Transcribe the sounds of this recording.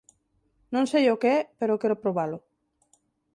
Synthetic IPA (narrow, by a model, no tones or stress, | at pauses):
nõŋsejokeɛpeɾokɛɾʊpɾoβ̞alʊ